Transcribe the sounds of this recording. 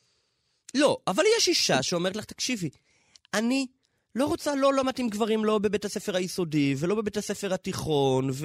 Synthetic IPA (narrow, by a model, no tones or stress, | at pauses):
lo̞ʔavaljɛʃiʃaʃeo̞me̞tlaχt̪ḁkʃivi | ani | lo̞ʁot͡salo̞lomatimɡvaʁimlo̞be̞bet̪hase̞fe̞ʁhajiso̞divelo̞be̞be̞thase̞fe̞ʁat̪iχo̞nv